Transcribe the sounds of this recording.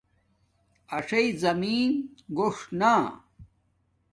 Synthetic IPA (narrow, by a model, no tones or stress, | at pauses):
ɐʂɐizɐmiːnɡoʂna